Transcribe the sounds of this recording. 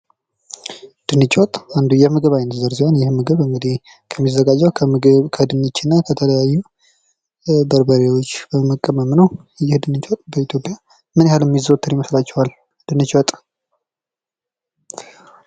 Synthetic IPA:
d̪̥ɨnɨt͡ʃʼɔt̪ʼand̪ujɛmɨɡɨβajnəzəɾsihonjɪhmɨɡɨβɨŋɡɨd̪ih | kʰəmːizəɡad͡ʒːəwʰkʰəd̪ɨnɨt͡ʃːɪnːakʰət̪ʰələjajːu | bəɾbəɾewo̞t͡ʃːbəməkʼːəməmnəw | jɪhd̪ɨnɨt͡ʃʼot̪ʼbəit̪ʰjo̞pʼja | mɨnjhalɛmːizəwt̪ʰːɨɾjiməslat͡ʃːɛwal | d̪̥ɨnɨt͡ʃʼot̪ʼ

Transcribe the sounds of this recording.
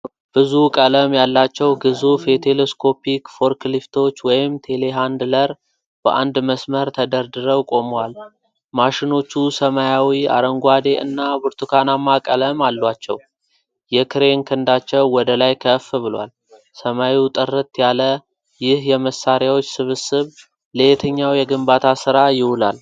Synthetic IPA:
b̥ɨzukʼələmjalːat͡ʃːɛwɡɨzufɛt̪ʰeleskʰo̞pʰikfo̞ɾklift̪ʰo̞t͡ʃːwɔjɪmt̪ʰe̞le̞ɦand̪ləɾ | b̥ə̰ʔa̰nd̪məsməɾt̪ʰəd̪əɾd̪ɨɾəwkʼo̞məwal | maʃɪno̞t͡ʃːusəmajawia̰ɾəŋɡʷad̪e̞ʔɨ̰nːabɨɾt̪ʰukʰanamakʼələmalːwat͡ʃːɛw | jɛkʰɨɾe̞ŋkʰɨnd̪at͡ʃːɛwːɔd̪əlajkʰəfːbɨlowa̰l | səmajit̪ʼɨrːɨt̪jalə | jɪhjɛməsːaɾjawo̞t͡ʃːsɨβɨsɨβ | let̪ʰəɲːawjɛɡɨmbat̪ʰasɨɾajɪwʊla̰l

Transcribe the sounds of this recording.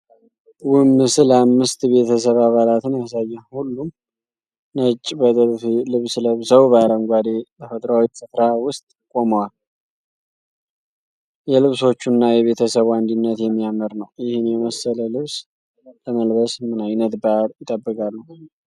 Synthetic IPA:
wʊmːɨsɨləamːɨst̪be̞t̪ʰəs̬əβaβalat̪ɨnjas̬ajːahulːum | nət͡ʃʼːbət̪ʼɨɾfilɨβsləβsəwbaɾəŋɡʷad̪et̪ʰəfət̪ʼɾawifɨfɾawʊst̪ʼkʼo̞məwal | jɛlɨβso̞t͡ʃːunːajɛβe̞t̪ʰəsəβand̪inːət̪jɛmːijaməɾnəwjɪhɨnjɛməsːələlɨβs | ləməlbəsmɨnajnət̪baɾjɪt̪ʼəbːɨkʼalːuw

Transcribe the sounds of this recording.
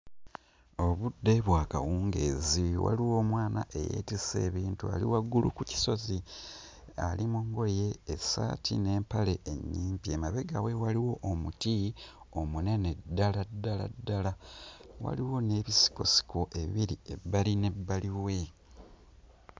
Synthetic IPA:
o̞βudːe̞βwaːka̰wuːŋɡe̞̰ːziwa̰liwoːmwaːnaʔe̞jḛːtise̞̰ːβiːntua̰lḭwaɡːulṵkuci̥so̞zi | alimuŋɡo̞je̞ːsa̰tʰḭne̞ːmpale̞ʔeɲːiːmpie̞maβe̞ɡawewaliwo̞ʔːmuti | o̞mune̞ne̞dːaladːala̰dːalawa̰liwo̞ne̞ːβisi̥ko̞si̥ko̞ʔe̞βiɾie̞bːaline̞bːaliwe̞

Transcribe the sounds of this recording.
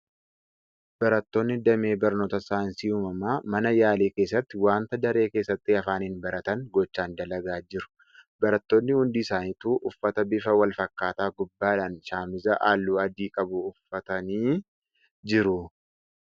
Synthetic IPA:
b̥ɐɾɐt̪ːo̞ːnːɪd̪ɐmeːbɐɾno̞ːt̪ɐsaːnsiuːmɐmaːmɐnɐjaːleːke̞ːs̬ːɐt̪ːɪwaːnt̪ɐd̪ɐɾe̞ːke̞ːsːɐt̪ːɪɐfaːnɪnbɐɾɐt̪ɐŋɡɔt͡ʃːaːnd̪ɐlɐɡaːd͡ʒɪɾʊ̥ | bɐɾɐt̪ːo̞ːnːɪhʊnd̪iːsaːnit̪uːʔʊfːɐt̪ɐbɪfɐwɐlfɐkːaːt̪aːɡʊbːaːᶑaːnʃaːmɪzɐʔaːlːuːɐd̪iːkʼɐbʊʊfːɐt̪ɐniː | d͡ʒɪɾʊ

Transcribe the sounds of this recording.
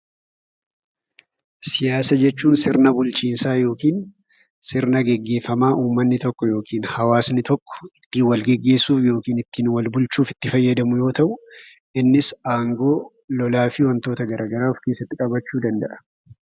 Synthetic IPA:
sɪjaːsɐd͡ʒɛt͡ʃːuːnsɪɾnɐbʊlt͡ʃiːnsaːjo̞ːkiːn | sɪɾnɐɡɛɡːe̞ːfːɐmaːʔuːmːɐnːɪt̪ɔkːɔjo̞ːkʰiːnhɐwaːsnɪt̪ɔkːɔ̥ɪ̥t̪ːiːwɐlɡɛɡːe̞ːsuːfjo̞ːkiːnɪt̪ːiːnwɐlbʊlt͡ʃuːfɪ̥t̪ːɪfɐjːɐd̪ɐmʊjo̞ːt̪ɐʔʊ | ɪnːɪsaːŋɡo̞ː | lɔlaːfiwɐnt̪o̞ːt̪ɐɡɐɾʔaːɡɐɾaːfke̞ːsːɐt̪ːɪkʼɐbɐt͡ʃːuːd̪ɐnd̪ɐʔɐ̥

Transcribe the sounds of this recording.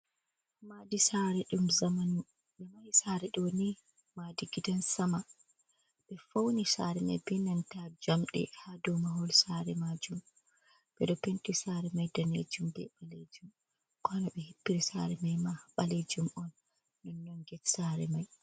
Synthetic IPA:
madisaɾɛɗumzamanu | ɓɛmajsaɾɛɗoni | madiɡidansama | ɓɛfownisaɾɛma̰jbɛnantad͡ʒamɗɛ̰hadɔmaɦɔlsaɾɛmad͡ʒum | b̥ɛɗɔpentisaɾɛmajdanḛd͡ʒumbɛ̰ɓaled͡ʒum | kɔnaɓɛhipːiɾisa̰ɾɛmajmaɓaled͡ʒumɔnː | ɔnːɔŋɡɛtsaɾɛ̰maj

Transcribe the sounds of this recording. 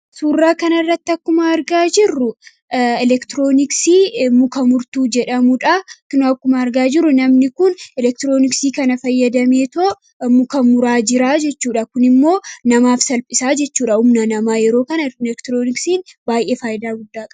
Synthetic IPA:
suːrːaːkɐnɐrːɐt̪ːɐkːʊmɐɐɾɡaːd͡ʒɪrːʊ | ɛlɛkt̪ɪɾo̞ːnɪksiːmʊkɐmʊɾt̪uːd͡ʒɛᶑɐmʊᶑɐkːnɐkːʊmɐɐɾɡaːd͡ʒɪrːʊnɐmnɪkʊnɛlɛk̚t̪ɪɾo̞ːnɪksiːkɐnɐfɐjːɐd̪ɐme̞ːt̪oʔ | mʊkɐmʊɾaːd͡ʒɪɾaːd͡ʒɛt͡ʃːuːᶑɐkʊnɪmːo̞ːnɐmaːfsɐlpʼɪsaːd͡ʒɛt͡ʃːuːᶑɐhʊmnɐnɐmaːjɛɾo̞ːkɐnɐɛkt̪ɪɾoːnɪksiːnbaːjʔe̞ːfaːjɪd̪aːɡʊd̪ːaːkʼɐ̥

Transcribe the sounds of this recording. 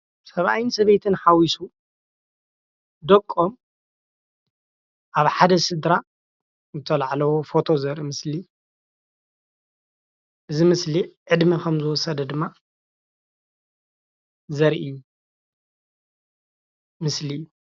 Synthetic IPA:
sɐβʔa̰jinsɐβejt̪ʰɨnħawisu | d̪ɐkʼːom | ʔaβħad̪ɐsɨd̪ɾa | nɨt̪ʰɐlaʕlɐwofo̞t̪ʰo̞zɐɾʔimɨsli | ʔɨzimɨsliʕɨd̪mikʰɐmzɨwɔsɐd̪ɐd̪ɨmːa | zɐɾʔɨjːu | mɨslijːu

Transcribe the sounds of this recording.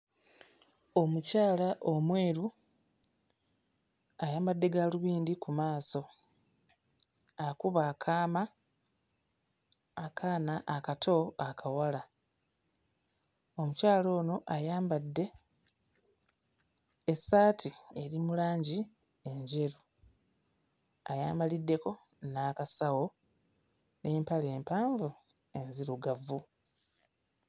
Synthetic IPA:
o̞mucaːlaʔo̞mwe̞ːɾu | ajaːmbadːe̞ɡaluβiːndikumaːso̞ | akuβaːkʰaːma | kʰaːnaʔakatʰo̞akʰawala | o̞mucaːlo̞ːno̞ʔajaːmbadːe̞ | saːtʰie̞ɾimulaːɲɟi | e̞ɲɟe̞ɾu | ajaːmbalidːe̞ko̞ | naːkasawo̞ | ne̞ːmpale̞ːmpaːɱvu | e̞nziɾuɡavːu

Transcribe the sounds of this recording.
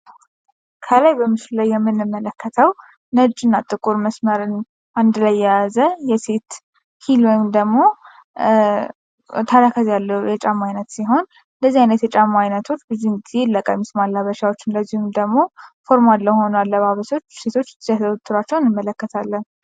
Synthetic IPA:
kʰəlajbəmɨʃllajːɛmːɨnːɨmːələkːət̪ʰəw | nət͡ʃʼːɨnːat̪ʼːɨkʼuɾməsməɾɨn | ʔand̪lajːɛjazəjɛse̞t̪ | hilwɔjɪmd̪əɡmo̞ | t̪ʰaɾakʰazjalːəjɛt͡ʃʼamːajnət̪siɦo̞n | ɨnd̪əzːihajnət̪jɛt͡ʃʼamːajnət̪ʰo̞t͡ʃːbɨzihɨnɡize̞lːəkʼajmɨsmalːaβəʃawo̞t͡ʃːɨnld̪əzːihɨmd̪əɡmo̞fo̞ɾmad̪lːəwho̞nalːəβaβəso̞t͡ʃːse̞t̪ʰo̞t͡ʃ̪ːʰzjat̪ʰət̪ʰːɨɾwat͡ʃːɛwnɨmːələkːət̪ʰalːən

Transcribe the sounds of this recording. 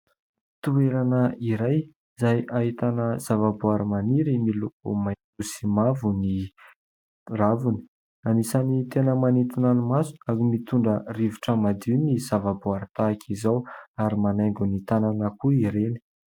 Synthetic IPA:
t̪ueɾanəiɾaj | zajaɦit̪anəz̥avabuaɾimaniɾimilukṵma | usimavuni | ravuni̥ | anisanit̪enəmanit̪inanimasu̥aɾimit̪uɳɖ͡ʐəriviʈ͡ʂəmad̪inizavabuaɾt̪akʰizawaɾimanajŋɡunit̪ananəkuiɾeni̥

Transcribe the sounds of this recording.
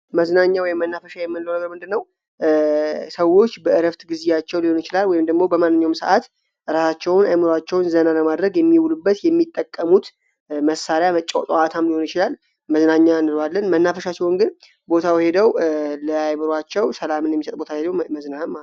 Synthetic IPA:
məznaɲːawɔjɪmːənːafəʃajɛmːɨnlːəwnəɡəɾmɨnd̪ɨnːəw | səwo̞t͡ʃːbəɨɾəft̪ɡɨzejat͡ʃːɛwliho̞nɪt͡ʃɪlalwɔjɪmd̪əɡmo̞bəmanːɨɲːawmsəʔat̪ | ʔɨɾasat͡ʃːɛwʊnajmɨɾat͡ʃːɛwnzənaləmad̪ɾəɡjɛmːiwulubːət̪jɛmːit̪ʼːəkʼːəmut̪ | məsaɾjamət͡ʃʼːaw̰t̪ʼat̪ʰamliho̞nɪt͡ʃɪlal | məznaɲːanːɨlalːənmənːafəʃat͡ʃːɛwnɡɨn | bo̞t̪ʰawhe̞d̪əwləajmɨɾwat͡ʃːɛwsəlamɨnjɛmːisət̪ʼbo̞t̪ʰawhed̪əwməznaɨmː

